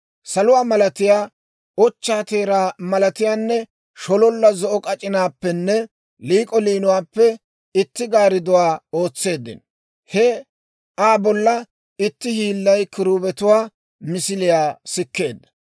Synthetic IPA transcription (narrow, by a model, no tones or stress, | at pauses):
sɐlʊwaːmɐlɐt̪ɪjaː | ɔt͡ʃːaːt̪eːɾaːmɐlɐt̪ɪjaːnːɛ | ʃɔlɔlːɐzɔʔɔkʼɐt͡ʃʼɪnaːpːɛnːɛ | liːkʼɔliːnʊwaːpːɛ | ɪt̪ːɪɡaːɾɪd̪ʊwaːo̞ːt͡sːe̞ːd̪ːɪ̰n | hɛ | ʔaːbɔlːɐ | ɪt̪ːɪhiːlːɐjkɪɾuːbɛt̪ʊwaː | mɪsɪlɪjaːsɪkːe̞ːd̪ːɐ̥